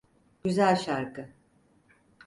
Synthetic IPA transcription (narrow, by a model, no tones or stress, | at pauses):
ɟ̥yzælʲʃaɾkʰɯ